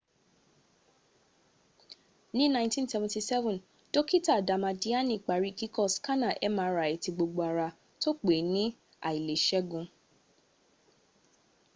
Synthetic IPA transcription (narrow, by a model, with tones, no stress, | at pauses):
nĩ˦nã˦j̃ntĩ˦nsɛ˧˨vɔ̃nti˧sɛ˦vɔ̃˨n | d̥o˦ki˦ta˦˨da˨mã˧di˦a˦nĩ˨k͡pa˨ɾi˦˨ki˦kɔ˦˨ska˦nã˦˨ʔɛ˦mãː˨˦ɾa˨i˨ti˧ɡ͡bo˧ɡ͡bo˧a˨ɾa˧ | to˦k͡pe˨˦nĩ˦ | a̰˦˨i˨le˨ʃɛ˦ɡũ˧